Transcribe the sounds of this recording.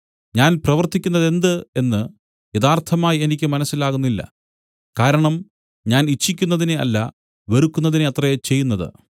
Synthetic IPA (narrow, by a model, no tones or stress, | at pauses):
ɲaːnprɐʋɐrt̪ikʲːunːɐðe̞nd̪ɨe̞nːɨ | jeðaːrt̪ʰɐmaːjie̞nikʲːɨmɐnɐsːilaːɣunːilːɐ̰ | kaːɾɐɳɐm | ɲaːnit͡ɕʰːikʲːunːɐðineɐ̰lːɐ | ʋɐɾukʲːunːɐðineɐt̪rɐjet͡ɕe̞jːunːɐðɨ̰